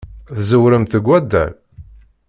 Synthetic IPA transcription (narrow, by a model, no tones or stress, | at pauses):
θzəwɾəmt̪əɡʷːæd̪ːæ̰l